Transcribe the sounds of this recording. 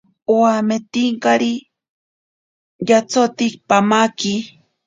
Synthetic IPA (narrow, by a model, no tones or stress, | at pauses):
oamet̪iŋkaɾi | jat͡sot̪ik̚pamaki